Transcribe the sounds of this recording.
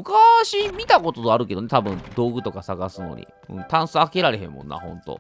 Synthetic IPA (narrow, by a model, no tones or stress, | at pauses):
mɯ̟kaɕimʲit̪ako̞t̪od̪oaɾɯ̟k̬e̞d̪one̞t̪abɯ̟̃nd̪o̞ːɡɯ̟t̪o̞kasaɡasɨno̞̰ɲ̟ḭ | ɯ̟̰̃ːt̪ãɰ̃sɨake̞ɾaɾe̞ɦẽ̞̰mːõnːʔa̰hõ̞nt̪o̞̰